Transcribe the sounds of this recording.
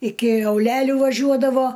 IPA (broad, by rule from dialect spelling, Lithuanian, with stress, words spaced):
ɪkʲɪ ɐʊˈlʲæːlʲuː ʋɐˈʒʲuɔdɐʋoː